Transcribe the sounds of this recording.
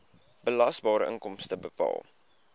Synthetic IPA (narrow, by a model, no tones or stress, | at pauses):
b̥əlɐsbɑːɾəʔə̰ŋkɔmstəbəpɑ̰ːlˠ